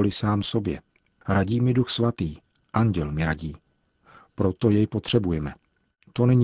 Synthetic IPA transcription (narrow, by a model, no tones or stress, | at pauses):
lɪsaːmso̞bjɛ̰ | ɾaɟiːmɪduxsvat̪iː | ʔaɲɟɛlmɪɾaɟiː | pɾo̞t̪o̞jɛjpo̞t̪r̝̥ɛbujɛmɛ | t̪o̞nɛɲ